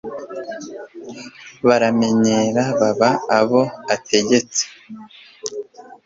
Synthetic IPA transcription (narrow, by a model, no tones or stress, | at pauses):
βaɾame̞ɲeːɾaβaβaːβo̞ate̞ɟe̞t͡se̥